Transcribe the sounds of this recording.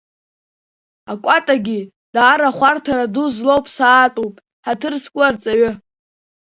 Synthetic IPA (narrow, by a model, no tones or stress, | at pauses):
akʷʼatʼaɡʲi | d̥aːɾaχʷartʰaɾaduzlowpʼsaːtʼupʼ | ħatʰɨrskʷʼʊrt͡sʼaɥʏ